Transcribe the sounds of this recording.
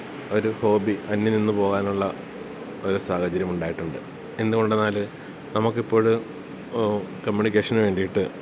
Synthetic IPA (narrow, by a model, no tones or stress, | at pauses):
o̞ɾuho̞ːbiʔɐnːininːupo̞ːɣaːnuɭːɐ | o̞ɾusaːhɐt͡ɕɐɾjɐmuɳɖaːjiʈːuɳɖɨ | e̞nːuɣo̞ɳɖenːaːl | nɐmɐkːipːo̞ːɻu | kɐmjuːnikʲːeːʂɐnʋe̞ːɳɖijiʈːɨ